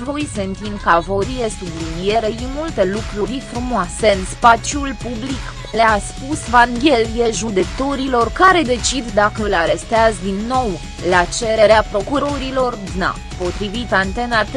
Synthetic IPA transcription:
vo̞jsent̪inkavo̞ɾijesublinie̞ɾəjimult̪e̞lukɾuɾʲfɾumoase̞ɨnspat͡ʃjulpublik | leaspusvaŋɡʲe̞lijeʒud̪e̞kt̪o̞ɾilo̞rkaɾe̞d̪e̞t͡ʃid̪d̪akəɨlaɾe̞st̪eazd̪inːo̞w | lat͡ʃe̞ɾeɾeapɾo̞kuɾo̞ɾilo̞rd̪na̰ | po̞t̪ɾivit̪ant̪e̞nat̪

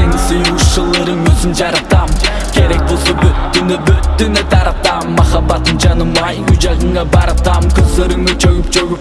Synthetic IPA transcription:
eŋɪsɪjuwʃʒəlˠːəɾəŋwɵzɪnʒɑɾɑt̪ɑm | kʲʰeɾe̞k̚bo̞lˠsɑbʏt̪ːɪnɪbʏt̪ːɪnɪt̪ʰɑɾɑp̚t̪ɑ | mːɑχɑbɑt̪ːənʒɑnəmɑjujʒɑʁəɴɑbɑɾɑp̚t̪ɑmkʲʰʏzd̪eɾɪŋet͡ʃʰɵwɪp̚d͡ʒøɡɪ

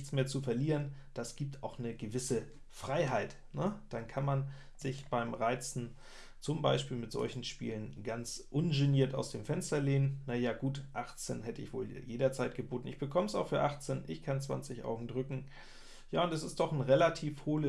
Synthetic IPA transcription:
çt͡smeːɐt͡sufɛɐliːʁənd̥asɡ̥iːp̚tʰaʊxnəɡəvɪsə | fʁ̥aɪɦaɪt | nəd̥ankʰanman | zɪçb̥aɪmʁaɪt͡sn̩ | t͡sʊmba̰ɪʃpiːlmɪtz̥ɔ̰lçn̩ʃpḭːlənɡant͡sʔʊnʒeniːɐta̰ʊsd̥eːmfɛnstɐleːnənnajaːɡ̥uːtʔaχt͡senɦɛtəɪçv̥o̰ːljeːɾɐt͡saɪt̚ɡ̥əboːtn̩ɪçb̥əkʰɔməsaʊxfyːɐʔaχt͡senʔɪçkʰant͡sv̥a̰nt͡sɪçʔa̰ʊɡŋ̩dʁʏkŋ̩ | jaːʊntɛsɪstd̥ɔχn̩ʁelatʰiːfhoːlə

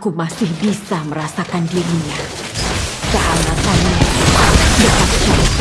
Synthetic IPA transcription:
kumasɪhbisaməɾasakandiɾiɲa | saalakami | dapat̪̚su

